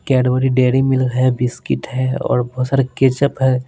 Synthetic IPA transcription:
kɛːɖʋəːɾiɖeːɾimɪlkɦɛbɪskɪʈɦɛɔ̰ːɾbɔːt̪saːɾeket͡ʃəpɦɛː

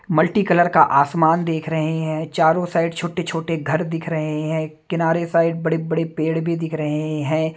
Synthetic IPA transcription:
mɐlʈikɐləɾkaʔaːsmaːnd̪eːkʰɾɐɦeɦɛ̃ːt͡ʃaːɾõsaːɪɖt͡ʃʰoːʈet͡ʃʰoːʈeɡʱɐɾd̪ɪkʰɾɐɦeɦɛ̃ːkɪnaːɾesaːɪɖ̚bɐɽebɐɽepeːɽbʱid̪ɪkʰɾɐɦeɦɛ̃ː

